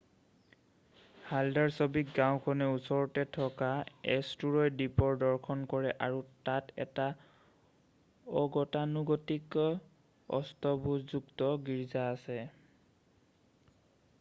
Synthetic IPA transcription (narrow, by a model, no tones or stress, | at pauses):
haldaɹsɔbik̚ɡãw̃kʰɔnɛusɔɹɔtɛtʰɔkaɛstuɹɔjdipɔɹdɔɹkʰɔnkɔɹɛʔaɹutatɛ̰ta | ɔɡɔtanuɡɔtik | ɔ̰stɔbʱuzuktɔɡiɹzaːsɛ